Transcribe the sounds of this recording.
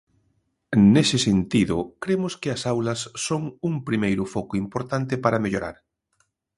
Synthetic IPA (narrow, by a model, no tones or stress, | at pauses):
nesɪsent̪iðʊ̰kɾemʊskɪɐsawlɐsːoŋuŋpɾimejɾʊfɔkʊimpoɾt̪ant̪ɪpaɾɐmeʎoɾa̰ɾ